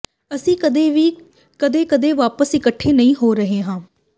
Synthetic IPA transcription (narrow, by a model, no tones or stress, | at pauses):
əsĩːd̪eːʋiː | kəd̪eːkəd̪eːʋaːpəsɪkəʈʰːeːnəĩːɦoːɾəɦeːɦãː